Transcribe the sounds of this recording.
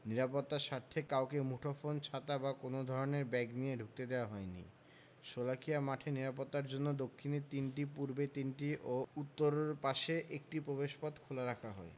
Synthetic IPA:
niɾapot̪ːaʃaɾt̪ʰekaokemuʈʰofont͡ɕʰat̪abakonod̪ʱɔɾoneɾbɛɡnieɖʱuk̚t̪ed̪eoaɦɔenḭ | ʃolakʰijamaʈʰeniɾapot̪ːaɾd͡ʑonːod̪okʰːinet̪inʈipuɾbet̪inʈiʔout̪ːoɾoɾpaʃeʔek̚ʈipɾobeʃpɔt̪kʰolaɾakʰaɦɔe

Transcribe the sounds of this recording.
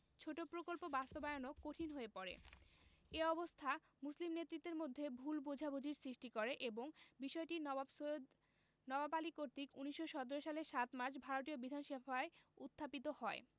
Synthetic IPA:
t͡ɕʰoʈopɾokolpobast̪obaeonokːoʈʰinɦoepɔɾḛ | eɔbost̪ʰa | muslimnet̪ːɾit̪ːeɾmod̪ʱːebʱulbud͡ʑʱabʱud͡ʑʱiɾsɾiʃʈikoɾeʔeboŋbiʃɔeʈin | nɔbapalikoɾt̪ikuniʃːoʃɔt̪oɾoʃaleʃat̪maɾʃbʱaɾot̪iobid̪ʱanʃebʱaeut̪ʰːapit̪̬ohɔe

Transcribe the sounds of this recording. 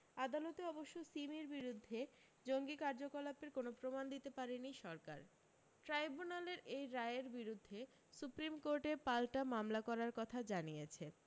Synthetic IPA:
ad̪alot̪eɔboʃːosimiɾbiɾud̪ʱːe | d͡ʑoŋɡikaɾd͡ʑokolapeɾkonopɾomand̪it̪epaɾeniʃɔɾka̰ɾ | ʈɾajbunaleɾejɾaeeɾbiɾud̪ʱːe | supɾimkoɾʈepalʈamamlakɔɾaɾkɔt̪ʰad͡ʑanijet͡ɕʰe

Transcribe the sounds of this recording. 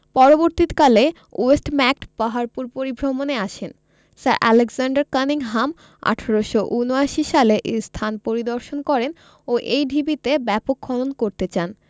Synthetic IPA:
pɔɾoboɾt̪it̪kale | oesʈmɛk̚ʈpaɦaɾpuɾpoɾibʱɾomoneaʃʰen | saɾʔɛ̰leɡsaɳɖaɾkaniŋɦam | a̰ʈʰaɾoʃoʔunoaʃiʃaleʔest̪ʰanpoɾid̪oɾʃonkɔɾen | oʔejɖʱibit̪ebɛpokʰːɔlonkoɾt̪et͡ɕan

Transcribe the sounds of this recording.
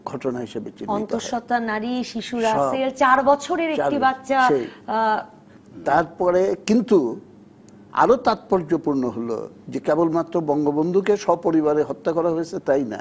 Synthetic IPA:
ɡʱɔʈonaɦiʃebet͡ɕinːɔint̪oɾʃɔt̪anaɾiʃiʃuɾaɔselt͡ɕaɾbɔt͡ɕʰoɾeɾeaʈibatːʃaej | t̪aɾpɔɾekint̪u | a̰ɾot̪at̪̚pɔɾd͡ʑopuɾnoɦolo̰d͡ʑekebolmat̪ːɾobɔŋɡobond̪ʱukeʃɔpoɾiβaɾeɦɔt̪ːakɔɾaɦoet͡ɕʰet̪ajna̰

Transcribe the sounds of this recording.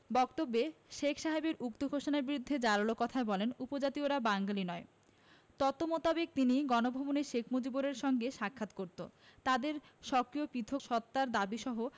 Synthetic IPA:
bɔkt̪obːeʃekʰʃaɦebeɾukt̪oɡʱoʃonaɾbiɾud̪ʱːed͡ʑaɾalokɔt̪ʰaebɔlenupod͡ʑat̪ioɾabaŋɡalinɔe | t̪ɔt̪omot̪abek̚t̪iniɡɔnobʱɔboneʃekʰmod͡ʑiboɾeɾʃɔŋɡeʃakʰːat̪koɾt̪o̰t̪ad̪eɾʃɔkɾiopit̪ʰoʃɔt̪ːaɾd̪abiʃɔɦo

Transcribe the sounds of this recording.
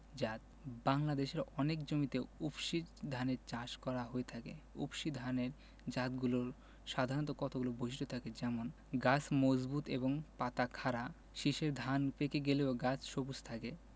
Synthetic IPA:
d͡ʑat̪ | baŋlad̪eʃeɾɔnekd͡ʑomit̪eupʃid̪ʱaneɾt͡ɕaʃkɔɾaɦoet̪ʰakḛṵpʃid̪ʱaneɾ | d͡ʑat̪ɡuloɾ | ʃad̪ʱaɾnt̪okɔt̪ʰoɡulobʱoʃiʃʈot̪ʰaked͡ʑɛmon | ɡat͡ɕʰmod͡ʑbut̪ḛboŋpat̪akʰaɾa | ʃiʃeɾd̪ʱanpekeɡeleoɡat͡ɕʰʃobust̪ʰake

